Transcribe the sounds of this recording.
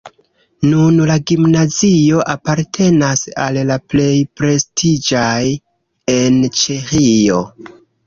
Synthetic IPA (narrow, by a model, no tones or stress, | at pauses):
nunlaɡimnazio̞ʔapaɾtʰe̞nasallaple̞jpɾe̞stʰid͡ʒaj | e̞nt͡ʃexio̞̰